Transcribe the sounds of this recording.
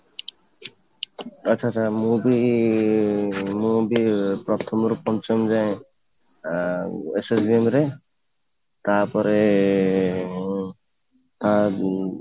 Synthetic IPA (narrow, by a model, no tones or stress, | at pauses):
ʌːt͡ʃʰat͡ʃʰamubi | mubipɾɔt̪ʰɔmɾupɔnt͡ʃɔmd͡ʒaj̃ | esesbiemɾe | t̪apɔɾe | t̪a